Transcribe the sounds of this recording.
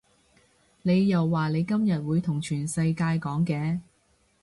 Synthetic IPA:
ne˨˧jːɐ˨wːaː˨nle˨˧jkɐ˥mjɐ˨t̚wuː˨˧jt̪ʰʊ˨˩ŋt͡ʃʰyː˨˩nsɐ˧jkaː˧jkɔː˨˥ŋkɛː˨˧

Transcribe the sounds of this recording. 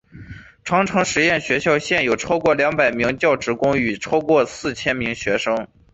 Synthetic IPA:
ʈ͡ʂʰwɑ˧˥ŋʈ͡ʂʰɤ˧˥ŋʂɻ̩˧˥jɛ˥˩nɕɥɛ˧˥ɕjɑ˥˧ʊɕjɛ˥˩njo˨˩ʊʈ͡ʂʰɑ˥ʊkwɔ˥˩ljɑ˧˥ŋpa˨˩ɪmi˧˥ŋt͡ɕjɑ˥˩ʊʈ͡ʂɻ̩˧˥kʊ˥ŋy˨˩ʈ͡ʂʰɑ˥ʊkwɔ˥˧˩sɹ̩˥˩t͡ɕʰjɛ˥nmi˧˥ŋɕɥɛ˧˥ʂɤ˥ŋ

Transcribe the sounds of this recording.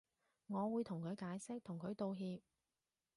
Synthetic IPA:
ŋɔː˨˧wuː˨˧jt̪ʰʊ˨˩ŋkʰɵ˨˧ɥkaː˨˥jsɪ˥k̚t̪ʰʊ˨˩ŋkʰɵ˨˧ɥt̪o˧wɦiː˧p̚

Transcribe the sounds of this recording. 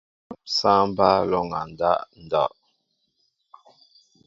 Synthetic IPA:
sã˦m˦ba˦lɔ˦˨ŋa˨n˨da̰˦ʔn̩˨da̰˦˨ʔ

